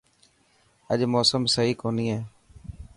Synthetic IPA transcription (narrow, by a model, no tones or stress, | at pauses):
əʄmoːsəmsəɦiːkoːniːɦeː